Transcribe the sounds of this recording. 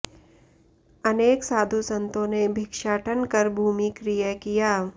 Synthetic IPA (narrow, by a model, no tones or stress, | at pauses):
ɐneːksaːd̪ʱusə̃nt̪õnebʱɪkʃaːʈʰənkɐɾbʱuːmikɾijəkijaː